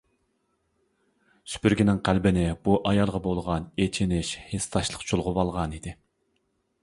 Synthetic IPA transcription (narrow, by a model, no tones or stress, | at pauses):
sy̥pyɾɡʲinɪŋqʰælbɪnɪbuʔɑjɑlˠʁɑbolˠʁɑnet͡ʃʰinɪʃhest̪ʰɑʃlˠəqt͡ʃʰolˠʁʊvɑlˠʁɑnid̪ɪ